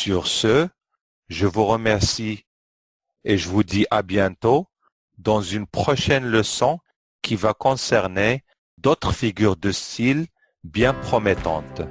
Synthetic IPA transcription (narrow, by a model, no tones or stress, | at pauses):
syʁsø | ʒəvuʁəmɛʁsi | eʒəvud̪iʔabjɛ̃t̪o | d̪ɑ̃zynpχɔʃɛnləsɔ̃ | kʲʰivakɔ̃sɛʁne | d̪ot̪χfiɡʲyʁd̪əst̪ʰil | bjɛ̃pχɔmet̪ɑ̰̃t̪